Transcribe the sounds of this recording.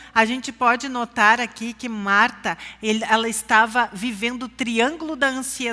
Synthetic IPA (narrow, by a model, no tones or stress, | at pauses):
aʒẽnt͡ʃɪpɔd͡ʒɪnot̪aɾakikɪmaɾt̪ɐelɛlɐɪst̪avɐvivẽnd̪ʊːt̪ɾiɐ̃ŋɡulʊd̪ɐɐ̃sie